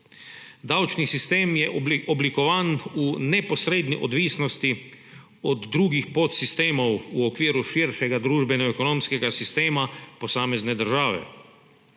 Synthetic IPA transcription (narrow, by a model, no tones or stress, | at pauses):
d̪awt͡ʃnisist̪eːmjɛʔɔblikɔʋaːnunɛpɔsɾeːd̪niʔɔd̪ʋiːsnɔst̪i | ɔd̪ːɾuːɡixpot̪sist̪eːmɔwuɔkʋiːɾuʃiːɾʃɛɡad̪ɾuːʒbɛnɔɛkɔnõmskɛɡasist̪eːmapɔsaːmɛznɛd̪əɾʒaːʋɛ̰